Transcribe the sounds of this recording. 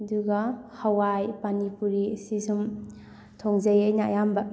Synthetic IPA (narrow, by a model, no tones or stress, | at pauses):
duɡɐhawajpanipuɾisizum | tʰoŋzɐjɐjnajambɐ